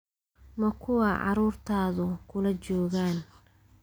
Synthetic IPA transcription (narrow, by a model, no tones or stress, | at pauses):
mɐkʰʊwɑːʕɑ̰ɾuːrt̪ʰaːðʊkʰʊlɐt͡ʃɔːɣaːn